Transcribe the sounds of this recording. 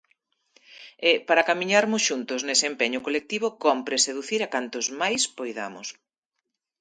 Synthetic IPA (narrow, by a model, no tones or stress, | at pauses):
ɛpaɾakamiɲaɾmʊsʃunt̪ʊznesempeɲʊkolek̚t̪iβʊkɔmpɾeseðuθiɾakant̪ʊzmajspojða̰mʊ̰s